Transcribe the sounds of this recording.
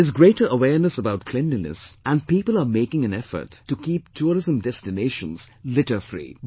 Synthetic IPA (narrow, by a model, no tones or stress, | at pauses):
ɪzɡɾeɪʈə˞əwɛɹnəsəbaʊt̚kʰl̥ɛ̃ndinɨ̰sʔæ̃n̚piːpələmeɪkɪ̃ŋæ̃nɛfə̰˞tʰːukiːp̚tʰuɾɪzə̃mdɛstɪneɪʃə̰̃nz̥lɪʈəfɾḭː